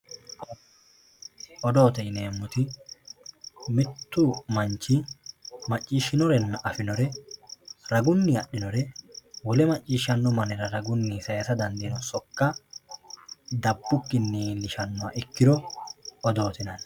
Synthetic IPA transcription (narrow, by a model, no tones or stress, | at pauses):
ɔd̪o̞ːt̪ɛjne̞ːmːʊt̪ɪ | mɪt̪ːʊmɐnt͡ʃːɪmɐt͡ʃʼːiːʃɪnɔɾɛnːɐʔɐfɪnɔɾɛ | ɾɐɡʊnːɪɐɗːɪnɔɾɛwɔlɛmɐt͡ʃʼːiːʃːɐnːɔmɐnɪɾɐɾɐɡʊnːisɐjɐt̪ɐd̪ɐnd̪ɪnɔsɔkːɐ | d̪ɐbːʊkːɪnːiːnːɪʃɐnːɔaʔɪkːɪd̪ɔɔd̪o̞ːt̪ɪnɐn